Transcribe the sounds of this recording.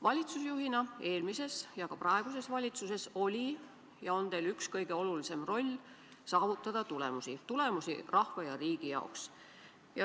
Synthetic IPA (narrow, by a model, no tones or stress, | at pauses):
vɑlʲit̪susjuɦinɑe̞ːlmise̞sjɑkɑprɑe̞ɡ̥use̞svɑlʲit̪suse̞so̞lʲi | jɑo̞nd̪e̞ːlykskɤjɡ̥e̞o̞lulise̞mro̞lʲː | sɑːvut̪ːˑɑd̪̥ɑt̪ule̞̰musit̪ule̞musḭrɑhvɑjɑɾiːɡ̥ijɑ̰oks | jɑ